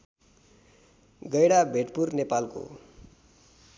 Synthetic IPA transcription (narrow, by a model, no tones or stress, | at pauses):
ɡʌjɽabʱeʈpurnepalko̰